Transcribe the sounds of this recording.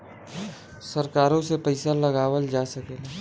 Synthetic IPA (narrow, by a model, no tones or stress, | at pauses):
sɐɾkaːɾõsepəɪsalɐɡaːwəld͡ʒaːsɐkelaː